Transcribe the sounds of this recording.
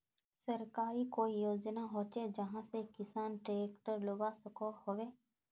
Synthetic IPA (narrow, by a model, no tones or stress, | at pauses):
səɾkaːɾikoːijoːd͡ʒnaɦoːt͡ʃed͡ʒəɦãsekɪsaːnʈeːkʈəɾloɡasəkohoʋeː